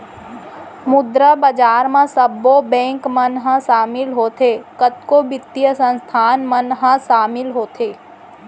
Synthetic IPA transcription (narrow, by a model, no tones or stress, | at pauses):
mʊd̪ɾəbəd͡ʒaːɾmãsəbːobɛ̃ːŋkmənɦãʃaːmɪlɦoːt̪ʰekət̪kobɪt̪ːijəsə̃nst̪ʰaːnmənɦãʃaːmɪlɦoːt̪ʰeː